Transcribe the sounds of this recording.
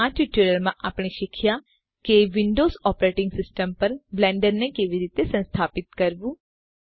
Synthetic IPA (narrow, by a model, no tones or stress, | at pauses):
ãːʈiʈiːləɾmãʔapɳ̃iʃɪkʰja | keʋɪ̃ɳɖoːzɔːpɾeːʈɪ̃ŋɡsɪsʈəmpɐɾblɛ̃ːɳɖəɾnekeʋiɾiːt̪esɐ̃nst̪ʰaːpɪt̪̚kɐɾbũː